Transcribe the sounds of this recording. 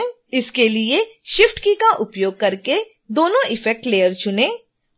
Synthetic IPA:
ɪskelieʃɪfʈkikaʔʊpjoːɡ̚kɐɾke | d̪oːnõʔɪfɛk̚ʈleːjəɾt͡ʃʊnẽː

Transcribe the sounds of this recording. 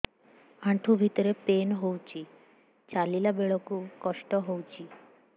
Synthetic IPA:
aɳʈʰũbʱit̪ɔɾepenɦowt͡ʃʰi | t͡ʃalilabeɭɔkukɔʃʈɔɦowt͡ʃʰi

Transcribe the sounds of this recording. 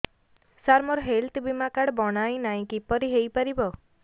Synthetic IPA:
saɾmɔɾɦelt̪bimakaɽbɔɽ̃aj̃naj̃kipɔɾiɦejpaɾibɔ

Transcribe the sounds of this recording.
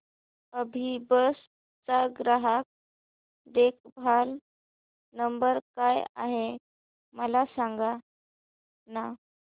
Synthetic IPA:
əbʱibəs | t͡saɡɾaɦak̚ | d̪ekʰbʱal | nəmbəɾkajaɦe | məlasaŋɡa | na

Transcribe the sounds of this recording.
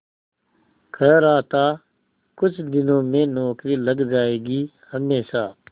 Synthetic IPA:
kʰəɾaːt̪aː | kʊt͡ʃʰd̪ɪnõːmẽnɔːkɾiːləɡd͡ʒaːeːɡiː | həmeːʃaː

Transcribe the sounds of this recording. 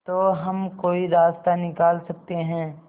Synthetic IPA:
t̪oːɦɐmkoːiɾaːst̪anɪkaːlsɐk̚t̪eɦɛ̃ː

